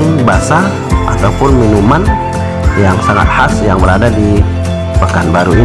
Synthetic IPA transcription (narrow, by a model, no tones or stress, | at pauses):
basa | ʔa̰t̪aupʊnminuman | jaŋsaŋa̰t̪̚hasjaŋbəɾadadi | pakanbaɾui